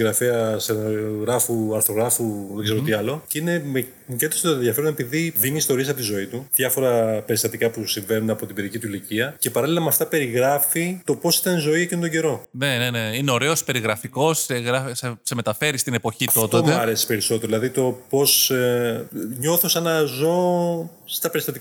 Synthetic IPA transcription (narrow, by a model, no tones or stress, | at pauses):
ɣɾɐfeɐseɣɾɐfuɐɾθo̞ɣɾɐfuðeɡze̞ɾot̪iɐlo̞cine̞me | mucet̪st̪oðʝɐfe̞ɾune̞piðivimiːst̪o̞ɾiesɐpot̪izo̞it̪uðʝɐfo̞ɾɐpe̞ɾist̪ɐt̪ikɐpusiɱve̞nunɐpo̞t̪ibeðicit̪uiliciɐce̞pɐɾɐlilɐmɐft̪ɐpe̞ɾiɣɾɐfit̪o̞po̞si̥t̪ɐnzo̞iecinont̪oɟe̞ɾo̞ne̞ne̞ne̞ine̞o̞ɾe̞o̞spe̞ɾiɣɾɐfiko̞seɣɾɐseseme̞t̪ɐfe̞ɾist̪ine̞po̞çit̪ot̪oeɐɾesi̥pe̞ɾiso̞t̪eɾðilɐðit̪o̞po̞s | ɲo̞θosɐnɐzo̞ | st̪ɐpe̞ɾist̪ɐt̪i